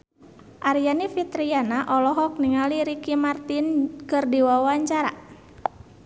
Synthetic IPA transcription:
ʔaɾijanifit̪ɾianaʔɔlɔɦɔk̚niŋaliɾikimart̪inkɨrdiwawaɲt͡ʃaɾa̰

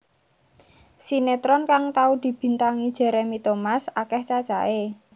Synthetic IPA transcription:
sinet̪ɾɔnkaŋt̪aud̪̥i̤b̥i̤nt̪aŋid̥ʒ̥ɛ̤ɾemit̪ɔmasakɛht͡ʃḁt͡ʃaʔe

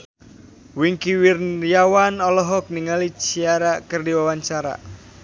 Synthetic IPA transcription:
wiŋkiwirnjawanɔlɔɦɔk̚niŋalit͡ʃiaɾakɨrdiwawaɲt͡ʃaɾa̰

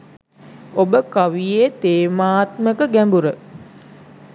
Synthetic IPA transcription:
obəkaʋijet̪eːmaːt̪məkəɡæmbuɾə

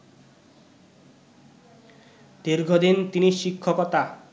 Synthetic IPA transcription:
d̪iɾɡʱod̪int̪iniʃikʰːokɔt̪a

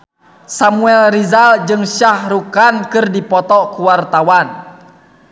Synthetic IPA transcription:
samuɛlɾizald͡ʒɨŋʃahɾukankɨrdipɔt̪ɔkuwart̪awan

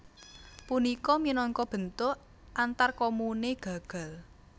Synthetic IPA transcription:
punikɔminɔŋkɔb̥ə̤nt̪ʊʔ | ʔant̪arkomuneɡ̥ä̤ɡ̥a̤l

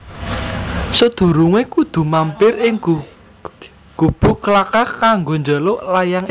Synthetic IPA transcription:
sod̪̥ṳɾuŋekud̪̥ṳmampɪrɪŋ | ɡ̥ub̥ṳkəlakakaŋɡond͡ʒaloʔlajaŋ

